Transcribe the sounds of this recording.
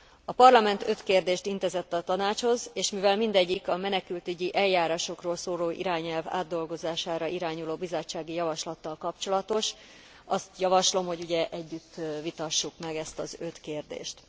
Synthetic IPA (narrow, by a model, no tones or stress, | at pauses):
ɒpɒrlɒmɛnt̪ø̞t̪keːrd̪eːʃt̪int̪ɛzɛt̪ːɒt̪ɒnaːt͡ʃho̞zeːʃmivɛlmind̪ɛɟːikɒmɛnɛkylt̪yɟiʔɛljːaːɾaːʃo̞kroːlsoːloːʔḭɾaːɲɛlva̰ːd̪ːo̞lɡo̞zaːʃaːɾɒʔiɾaːɲuloːbizot͡ʃːaːɡijɒvɒʃlɒt̪ːɒlkɒpt͡ʃo̞lɒt̪o̞ʃ | ɒst̪jɒvɒʃlo̞mho̞ɟuɟɛʔɛɟːyt̪ːvit̪ɒʃːukmɛɡɛst̪ɒzø̞t̪keːrd̪ḛːʃt̪